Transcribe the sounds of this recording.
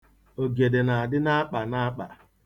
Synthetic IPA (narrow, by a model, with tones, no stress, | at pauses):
o˨ɡe˨de˨na˨a˨dɪ˦na˦a˦k͡pa˨na˦a˦k͡pa̰˨